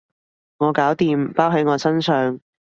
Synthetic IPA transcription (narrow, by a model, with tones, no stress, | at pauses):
ŋɔː˨˧kaː˨˥wt̪iː˨mpaː˥wɦɐ˨˥jŋɔː˨˧sɐ˥nsœː˨˧ŋ